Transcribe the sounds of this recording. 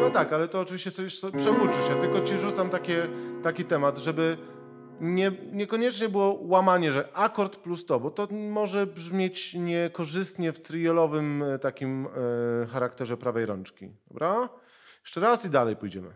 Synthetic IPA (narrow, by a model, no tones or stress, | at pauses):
nɔt̪akalɛt̪ɔːt͡ʂɨvʲiɕt͡ɕɛsɔbɛʂɔpʂɛut͡ʂɘɕɛt̪ɘlkɔt͡ɕiʐut̪samt̪akʲɛt̪akʲit̪ɛmad̪ʐɛbɘ | ɲɛɲɛkɔɲɛt͡ʂɲɛbɘwɔwamaɲɛʐɛʔakɔɾt̪plust̪ɔbɔt̪ɔmɔʐɛbʐmʲjet͡ɕɲɛkɔʐɘst̪ɲɛft̪ɾijɛlɔvɘmt̪akʲim | xaɾak̚t̪ɛʐɛpɾavɛjɾɔ̰nt͡ʂkʲḭd̪ɔbɾa | jɛ̥ʂt͡ʂɛɾasid̪alɛjpujd͡ʑɛmɘ̰